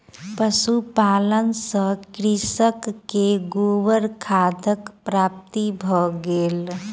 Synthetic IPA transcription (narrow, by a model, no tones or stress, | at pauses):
pəsupalənsə̃kɾisəkːeɡowəɾkʰad̪ʱəkpɾap̚t̪ibʱɔɡel